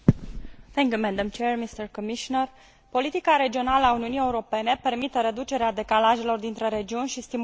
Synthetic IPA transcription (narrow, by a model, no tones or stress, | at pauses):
t̪ɛ̃ŋkjumɛd̪amt͡ʃermist̪əɾkomiʃonər | po̞lit̪ikaɾe̞d͡ʒio̞naləauniunije̞uɾo̞pe̞ne̞pe̞rmit̪əɾed̪ut͡ʃe̞ɾead̪e̞kalaʒe̞lo̞rd̪int̪ɾəɾe̞d͡ʒiunʲʃist̪im